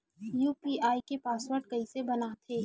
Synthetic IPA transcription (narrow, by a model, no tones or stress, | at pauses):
juːpiːʔaːikepaːswəɾʈ̚kɐisebɐnat̪ʰeː